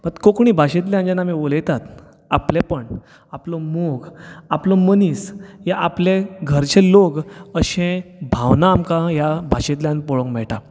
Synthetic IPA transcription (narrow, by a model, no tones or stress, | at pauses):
mət̪kokɳ̃iːbʱaɕet̪̬ljãnd͡ʑanamiʋoljɛt̪at̪ | aplepəɳ | aplɔmoɡaplɔmənisjaʔapleɡʱəɾt͡ɕeloɡəɕẽbʱawnaːmkãjabʱaɕet̪ljãnpɔɭõkmɛɭʈa